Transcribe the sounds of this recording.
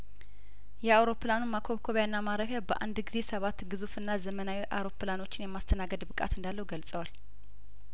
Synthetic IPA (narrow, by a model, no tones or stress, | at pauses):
jɛawɾo̞planumakʰoβkʰoβjanːamaɾəfjabəʔa̰nd̪ɡize̞səβat̪ːɡɨzufɨnːazəmənawiʔa̰wɾo̞plano̞t͡ʃːɪnjɛmːast̪ʰənaɡəd̪bɨkʼa̰t̪ɨnd̪alːəhuɡəlsʼəwal